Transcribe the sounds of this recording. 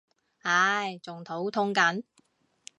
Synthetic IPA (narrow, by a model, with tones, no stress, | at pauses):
ha˨˧˥jt͡sʊ˨ŋt̪ʰo˨˥wt̪ʰʊ˥ŋkɐ˨˥n